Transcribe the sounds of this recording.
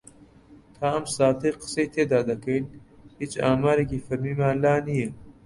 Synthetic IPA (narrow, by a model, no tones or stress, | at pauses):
t̪ʰaːɐmsaːt̪ʰɐjqɨ̥sejt̪ʰeːd̪aːd̪ɐkɐjnhiːt͡ʃaːmaːɾeːkiːfɐɾmiːmaːnlaːnije